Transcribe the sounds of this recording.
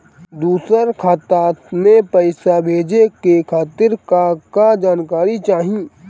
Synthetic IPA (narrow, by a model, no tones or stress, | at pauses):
d̪uːsəɾkʰaːt̪aːt̪mẽpəɪsabʱeːd͡ʒekekʰaːt̪ɪɾkakad͡ʒaːnkaːɾit͡ʃaːɦĩ